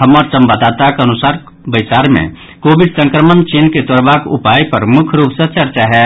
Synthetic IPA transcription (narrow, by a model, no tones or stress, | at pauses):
ɦəmːəɾt͡ʃəmbəd̪at̪akənʊsaɾ | bət͡ʃaːɾmḛ̃ | kobid̪sə̃ŋkɾəmənt͡ʃinket̪oɾbakṵpajpəɾmʊkʰɾuːpsə̃t͡ʃəɾt͡ʃaɦɛ